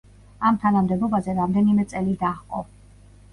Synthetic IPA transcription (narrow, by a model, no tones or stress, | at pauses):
amt̪ʰanamd̪ɛbɔbazɛɾamd̪ɛnimɛt̪sʼɛlid̪aχqʼɔ